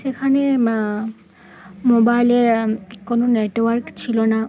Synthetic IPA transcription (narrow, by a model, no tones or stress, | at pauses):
sekʰane | mobajlekononeʈwaɹkt͡ɕʰilona